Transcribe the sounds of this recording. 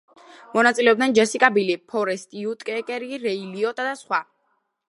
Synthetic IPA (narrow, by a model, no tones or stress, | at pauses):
mɔnat̪sʼilɛɔb̚d̪ɛnd͡ʒɛsikʼabilipʰɔɾɛst̪ʼiut̪ʼkʼɛkʼɛɾiɾɛiliɔt̪ʼad̪asχwa